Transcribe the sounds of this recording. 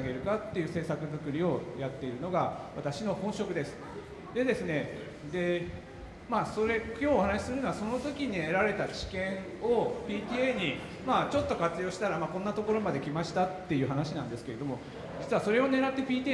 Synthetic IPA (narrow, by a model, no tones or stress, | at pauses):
ɡe̞ɾɯ̟kat̪ːe̞jɯ̟ːse̞ːsakɯ̟zɨkɯ̟ɾʲio̞jat̪ːe̞iɾɯ̟no̞ɡaβat̪aɕino̞hõ̞ɰ̃ɕo̞kɯ̟d̪e̞sɨ̥ | d̪e̞d̪e̞sɨne̞ | d̪e̞ | maːso̞ɾe̞kʲo̞ːhanaɕi̥sɨɾɯnoaso̞no̞t̪o̞kʲiɲ̟ieɾaɾe̞t̪at͡ɕi̥kẽ̞ɰ̃ | o̞pʲiːt̪ʲieɲ̟i | maːt͡ɕo̞t̪ːo̞kat͡sɨjo̞ːɕi̥t̪aɾamakõnːat̪o̞ko̞ɾo̞mad̪e̞kʲimaɕi̥t̪at̪ːe̞jɯ̟ːɦanaɕinãnd̪e̞sɨ̥ke̞ɾe̞d̪o̞mo̞ | d͡ʑit͡sɨβaso̞ɾe̞o̞ne̞ɾat̪ːe̞pʲiːt̪ʲi